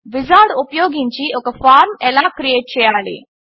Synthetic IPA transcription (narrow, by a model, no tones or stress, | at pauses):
ʋɪzaːɽupjoːɡĩɲt͡ɕiːokəfaːɾmɛlaːkɾijeːʈ̚t͡ɕejaːlḭː